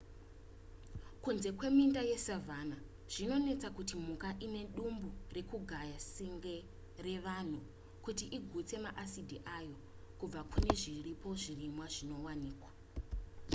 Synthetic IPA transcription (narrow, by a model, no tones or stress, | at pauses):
kunze̞kwe̞mindajesavana | ʐ̥ino̞ne̞t͡sakutimukaʔine̞ɗumbure̞kuɡʱajasiŋɡe | re̞ʋan̤u | kutiʔiɡʱut͡se̞maʔasidʱiʔajo̞ | kub͡vakune̞ʐiripo̞ʐirimwaʐino̞waniːkwa